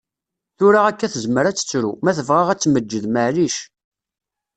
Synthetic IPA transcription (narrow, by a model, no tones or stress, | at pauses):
θʊɾaʁækːæθəzməɾæt͡sːə̥t͡sːɾṵmæθəvʁaʁæt͡sːməd͡ʒːəðməʕliʃ